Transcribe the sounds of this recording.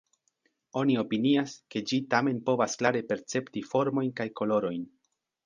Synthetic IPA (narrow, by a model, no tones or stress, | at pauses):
o̞nio̞piniaske̞d͡ʒitame̞npo̞vasklaɾe̞pe̞ɾt͡se̞ptifo̞ɾmo̞jnkajko̞lo̞ɾo̞jn